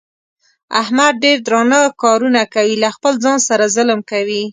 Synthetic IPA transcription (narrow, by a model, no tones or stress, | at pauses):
ahmad̪̚ɖeɾd̪ɾɑnəkɑɾunakawilaxpəlzɑnsaɾazəlmkawi